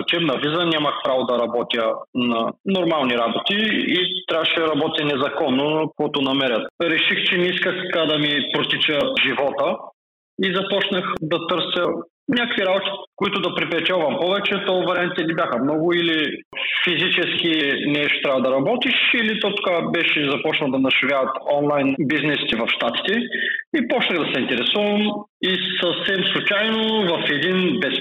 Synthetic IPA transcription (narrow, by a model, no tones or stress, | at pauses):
ot͡ʃɛbnɐvizənʲaməxpɾavod̪ɐɾɐbɔt̪ʲjənɐnoɾmalˠniɾabot̪iit̪ɾʲavəʃɛɾɐbɔt̪ʲɐnɛzɐkɔnːokoɛt̪onɐmɛɾʲət̪ɾɛʃixt͡ʃɛnɛiskəxkad̪ɐmipɾot̪it͡ʃəʒivɔt̪ə | izɐpɔt͡ʃnəxd̪ɐt̪ɤɾsjə | nʲakkviɾabot̪i̥kʊit̪ʊd̪ɐpɾipɾɛt͡ʃɛlˠvɐmpɔvɛt͡ʃɛt̪ɔvɾɛamɛt̪ɛnibʲjaxəmnɔɡʊili | fizit͡ʃɛsk̟inɛʃt̪o̥t̪ɾavɐd̪ɐɾɐbɔt̪iʃilit̪ɔt̪o̥kabɛʃɛzɐpɔt͡ʃnɐlˠd̪ɐnɐʃɛvʲjavɐt̪ɔnlˠajnbiznɛsi̥t̪ɛvɐfʃt̪at̪i̥t̪ɛipɔt͡ʃnəɣd̪ɐsɛint̪ɛɾɛsɔvəm | isəfsɛmslˠut͡ʃajnovɐfɛd̪inbɛs